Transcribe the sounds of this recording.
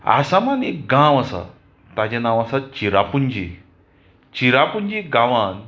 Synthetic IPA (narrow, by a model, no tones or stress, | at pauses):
a̰samanekɡãwasa̰ | t̪ad͡ʑenaʋasat͡ɕiɾapuɲd͡ʑi | t͡ɕiɾapuɲd͡ʑiɡaʋan